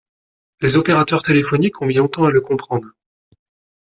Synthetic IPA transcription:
lezɔpeʁat̪œʁt̪elefɔnikɔ̃mjɛ̃lɔ̃t̪ɑ̃aləkɔ̃pχɑ̃d̪ʁ

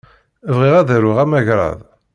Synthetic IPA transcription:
əvʁiʁæðæɾʊʁæmæʝɾˤɑ̰ðˤ

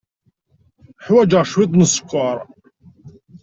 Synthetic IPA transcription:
ħwæd͡ʒəʁʃwit̪ˤnəsˤːə̥kʷːɑɾˤ

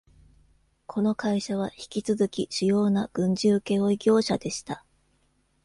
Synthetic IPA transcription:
kʰo̞no̞kaiɕaβ̞açi̥kʲit͡sɨzɨkʲiɕɨjo̞ːnaɡ̥ɯ̟̃ɲ̟d͡ʑɨːke̞o̞iɡʲo̞ːɕad̪e̞ɕi̥t̪a

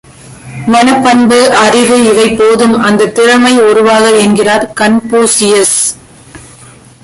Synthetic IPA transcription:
mɐnɯpːɐnbɯʔɐrɪʋɯɪʋɐɪpːoːðɯmɐnd̪ɐt̪ːɪɾɐmɐɪʊɾʊʋaːɣɐɛnɡɪraːɾkɐnpuːsɪjɐs

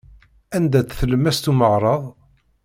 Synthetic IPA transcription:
ænd̪æt͡sθələmːæst̪uməʁɾˤəðˤ

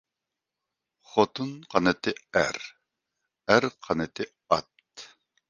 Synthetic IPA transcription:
χot̪ʰunqʰɑnɨt̪ʰɨæɾ | æɾqʰɑnɨt̪ʰɨ | ɑt̪̚

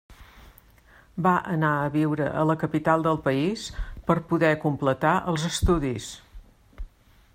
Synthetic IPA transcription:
baʔənaəβiwɾəʔələkəpit̪alˠd̪əlˠpəispəɾpuðɛkumplət̪aʔəlˠzəst̪uðis

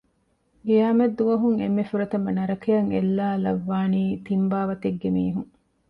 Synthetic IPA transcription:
ɡejaːmɐd̪ːuʋɐɦuŋemːefuɾɐt̪ɐmɐnɐɾɐkejɐŋelːaːlɐʋːaːniːt̪imbaːʋɐt̪eɡːemiːɦuŋ

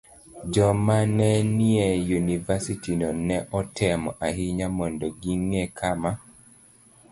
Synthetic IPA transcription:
d͡ʒɔmanɛniejunivasitinɔnɛʔɔtʰɛmɔʔaɦiɲamɔndɔɡiŋekʰama

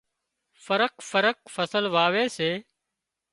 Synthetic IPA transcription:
fəɾəkfəɾək̚fəsəlʋaːʋeːseː

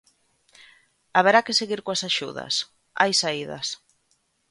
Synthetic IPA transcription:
aβeɾakeseɣiɾkoasaʃuðɐ̰s | a̰jsaiðɐ̰s

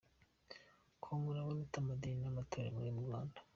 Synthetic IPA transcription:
kʰomuɾaβanutamad̪ininamatʰoɾḛmuɾimuɾwaːndḁ

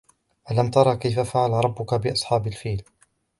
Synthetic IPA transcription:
ʔalamt̪ɑɾˤɑːkajfafaʕalɾˤɑbːʊkabɪʔɑsˤħɑːbalfiːl

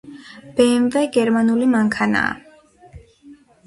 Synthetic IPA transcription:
b̥ɛnvɛɡɛɾmanulimaŋkʰana̰ː

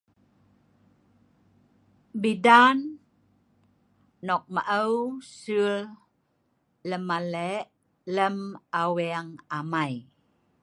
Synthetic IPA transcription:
bidan | ɔk̚məʔəwsul | ləmaleʔ | ləmawiaŋamaj

